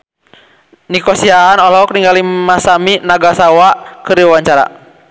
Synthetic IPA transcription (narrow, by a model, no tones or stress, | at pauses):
nikɔsiaːnɔlɔk̚niŋɡalimasaminaɡasawakɨɾiawaɲt͡ʃaɾa̰